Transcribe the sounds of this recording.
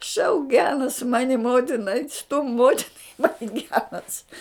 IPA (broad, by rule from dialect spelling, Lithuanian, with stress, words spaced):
ʃɐʊk ˈɡʲæːnɐs ˈmɑːnʲɪ ˈmoːtʲɪnɐ ɐɪtʲ stʊm ˈmoːtʲɪnɐ ˈmɑːnʲɪ ˈɡʲæːnɐs